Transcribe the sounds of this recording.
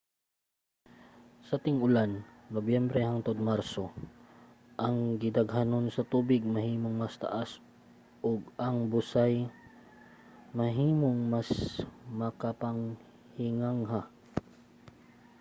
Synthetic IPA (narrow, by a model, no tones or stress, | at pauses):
sɐt̪ɪŋʊlannobjɛmbɾɛhaŋt̪od̪̚maɾso̞ | ʔɐŋɡɪd̪ɐɡɦano̞nsɐt̪uːbɪɡ̚mɐhiːmoŋmɐst̪ɐ̰ʔas | ʔoɡ̚ɐŋbʊsaj | mɐɦiːmoŋmasmɐkapaŋ | hɪŋaŋɦa